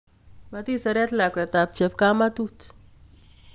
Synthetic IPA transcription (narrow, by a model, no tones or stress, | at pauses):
mɐt̪isɐɾat̪laket̪ap̚t͡ʃʰepkamat̪ut͡s